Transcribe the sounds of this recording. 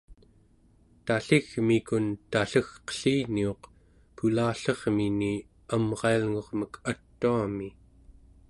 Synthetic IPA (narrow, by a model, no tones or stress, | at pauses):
t̪aɬiɣmikunt̪aɬəxqə̥ɬiːnio̞q | pulaːɬʌʁmini | amʁɑalŋo̞ʁməkʰat̪ːuami